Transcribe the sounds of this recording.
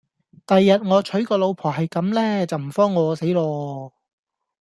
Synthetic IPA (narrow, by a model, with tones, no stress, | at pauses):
t̪ɐ˨jːɐ˨t̚ŋɔː˨˧t͡ʃʰɵ˨˥jkɔː˧lo˨˧wpʰɔː˨˩ɦɐ˨jkɐ˨˥mlɛː˥t͡sɐ˨wm̩˨˩fɔː˥ŋːɔː˨˧˥se˨˥jlɔː˧